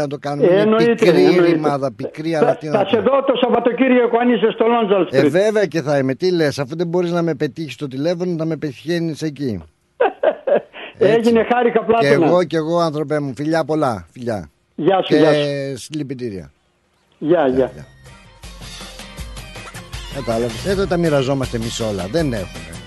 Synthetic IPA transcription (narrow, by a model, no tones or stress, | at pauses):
nɐt̪okɐnoenoitk̪ɾinoimɐðɐpikɾiɐɾɐft̪inɐseðot̪osɐvɐt̪ociɾʝekoɐnisest̪olonzɐlsteive̞veɐce̞θɐime̞t̪ile̞sɐfuðebo̞ɾiznɐme̞pe̞t̪içi̥st̪o̞t̪ile̞fo̞noθɐme̞peçeniseci | eʝinexɐɾixɐplɐenɐɣo̞ce̞ɣo̞ɐnθɾo̞pemufiʎɐpo̞lɐfiʎɐ̰ | ʝɐseɐsilipit̪iɾiɐ̰ | ʝɐʝɐʝɐ̰ | kɐt̪ɐlɐveset̪ot̪ɐmiɾɐzo̞mɐst̪eːmiso̞lɐ̰ðe̞ne̞̰xume̞̰